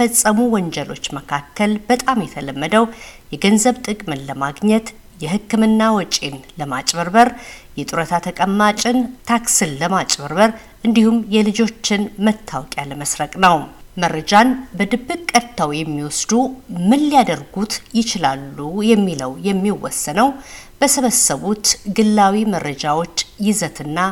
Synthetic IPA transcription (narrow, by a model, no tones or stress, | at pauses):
əsʼəmuwɔnd͡ʒɛlo̞t͡ʃːməkʰakʰːəlbət̪ʼamjɛt̪ʰələmːəd̪əwjɛɡənzəβt̪ʼɨkʼmɨnləmaɡɲɛt̪ | jɛhɨkːɨmɨnːawɔt͡ʃʼenləmat͡ʃʼbəɾbəɾjɛt̪ʼuɾət̪ʰat̪ʰəkʼəmːat͡ʃʼɪnt̪ʰaksɨnləmat͡ʃʼbəɾbəɾ | ʔɨnd̪ihumjɛlɨd͡ʒo̞t͡ʃːɪnmət̪ʰːawɔkʼjaləməsɾəkʼnəwməɾəd͡ʒanbəd̪ɨbːɨkʼkʼːət̪ʰːawjɛmːiwɔsd̪umɨnːijad̪əɾɡut̪jɪt͡ʃɪlalːujɛmːiləwjɛmːiwɔsːənəwb̥əsəβəsːəβut̪ɡɨlːawimərːəd͡ʒawo̞t͡ʃːjɪzət̪ʰɨnːa